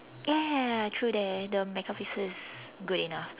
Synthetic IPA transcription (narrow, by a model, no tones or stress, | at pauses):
jɛtʰɹudɛtdəmɛkɔfisɪzɡuɾinaf